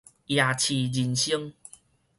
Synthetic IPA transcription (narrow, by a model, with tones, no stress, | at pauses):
ja˨˩t͡ɕʰi˨˩d͡ʑi˨˩nɕi˦ŋ